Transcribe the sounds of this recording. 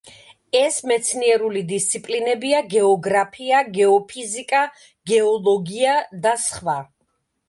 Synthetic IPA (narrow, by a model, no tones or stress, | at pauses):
ɛsmɛt̪sʰniɛɾulid̪ist̪sʰipʼlinɛbiaɡɛɔɡɾapʰiaɡɛɔpʰizikʼa | ɡ̥ɛɔlˠɔɡiad̪asχva